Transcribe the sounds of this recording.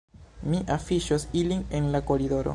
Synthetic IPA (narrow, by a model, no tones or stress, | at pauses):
miʔafiʃosiline̞nlako̞ɾido̞ɾo̰